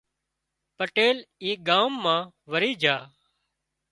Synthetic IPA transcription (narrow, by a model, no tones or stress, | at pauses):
pəʈeːliːɡaːmːãː | ʋəɾiːd͡ʒʱaː